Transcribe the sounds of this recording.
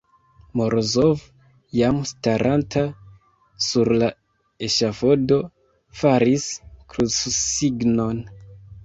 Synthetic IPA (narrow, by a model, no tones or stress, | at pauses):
moɾzov | jamstaɾʔantʰa | suɾla | e̞ʃafo̞do̞ | faɾiskɾut͡ssiɡno̞n